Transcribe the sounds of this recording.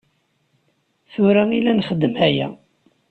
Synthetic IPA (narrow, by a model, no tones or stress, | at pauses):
θuɾæilænχəd̪ːəmhæjæ̰